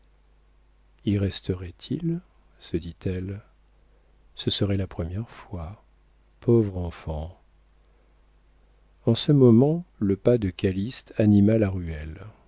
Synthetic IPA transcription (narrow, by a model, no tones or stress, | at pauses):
iʁɛst̪əʁɛt̪ʰil | səd̪it̪ɛl | səsəʁɛlapχəmjɛʁfwa | pʰɔvʁɑ̃fɑ̃ | ɑ̃səmɔmɑ̃ləpad̪əkalist̪animalaʁyɛl